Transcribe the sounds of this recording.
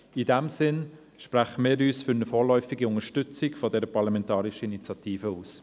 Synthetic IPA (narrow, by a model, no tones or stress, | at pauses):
idɛmsɪn | ʃpɾæχəmɪːɾyːsfʏɾnəfɔːɾlœʏfɪɡiʊŋəʃtʏt͡sɪkfɔdɛɾəpɑʁlɑmɛntɑːɾiʃəinit͡sjɑt̪iːfəuːs